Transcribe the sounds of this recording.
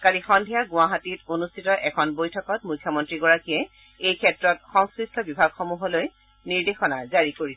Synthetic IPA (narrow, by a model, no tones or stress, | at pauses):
kaɹixɔndʱiaɡʊaɦatitonustʰitɔʔɛkʰɔnbojtʰɔkɔtmujkʰːjɔmɔntɹiɡɔɹakijɛ | ejkʰɛtɹɔtxɔŋskɹistʰɔbibʱaɡxɔmuɦɔloj | niɹdexɔnazaɹikoɹi